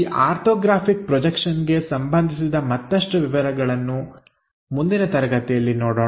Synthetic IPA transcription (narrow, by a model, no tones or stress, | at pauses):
ʔaːɾt̪ʰɔːɡɾaːpʰik̚pɾɔd͡ʒɐkʂɐnɡe̞sɐmbɐnd̪ʱisid̪ɐmɐt̪ːɐʂʈuʋiʋɐɾɐɡɐɭɐnːu | mund̪inɐt̪ɐɾɐɡɐt̪ɛjɐlːinoːɽoː